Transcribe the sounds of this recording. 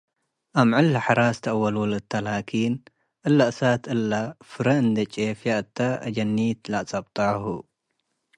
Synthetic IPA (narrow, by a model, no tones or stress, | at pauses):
ʔamʕɨlːħaɾast̪ʰɐʔwɐlulɨt̪ʰːalakʰin | ʔɨlːaʔɨsat̪ʰɨlːafɨɾɐɨnd̪ɐt͡ʃʼefjaʔɨt̪ʰːaʔɐ̰d͡ʒɐnːit̪laʔt͡sʼɐbt̪ʼahu